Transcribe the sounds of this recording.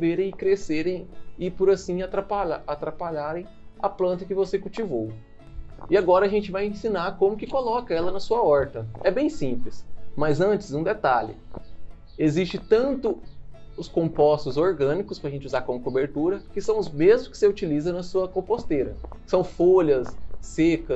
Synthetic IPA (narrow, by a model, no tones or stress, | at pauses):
veɾẽj̃ɪkɾeseɾẽj̃ɪpʊɾasĩat̪ɾapaaat̪ɾapaʎaɾẽj̃ɐplɐ̃nt̪ɐkɪvosekuwt͡ʃivow | ɪaɡɔɾɐːʒẽnt͡ʃɪvajẽsĩnaɾkõmʊkɪkolɔkɐɛlɐnɐsuɐɔɾt̪ɐɛbẽj̃sĩplɪsmɐzɐ̃t͡ʃɪ̥zũd̪et̪aʎɪ̰ | ezist͡ʃɪt̪ɐ̃nt̪ʊʊskõpɔst̪ʊzoɾɡɐ̃nikʊspɾɐʒẽnt͡ʃuzaɾkõmʊkobeɾt̪uɾɐkɪsɐ̃w̃ʊzmezmʊskɪ̥seut͡ʃilizɐnɐsuɐkõpost̪eɾɐ̰kɪ̥sɐ̃w̃foʎɐsːekɐ